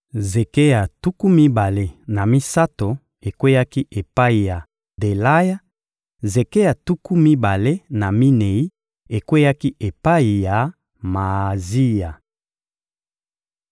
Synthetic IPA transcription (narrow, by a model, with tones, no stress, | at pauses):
ze˨ke˦ja˨tu˦ku˦mi˦ba˨le˦na˨mi˦sa˦to˨ | e˨kwe˦ja˦ki˦ʔe˨pa˦i˨ja˨ | de˨la˦ja˦ | ze˨ke˦ja˨tu˦ku˦mi˦ba˨le˦na˨mi˦ne˨i˦ | e˨kwe˦ja˦ki˦ʔe˨pa˦i˨ja˨ | ma˨zi˦ja˨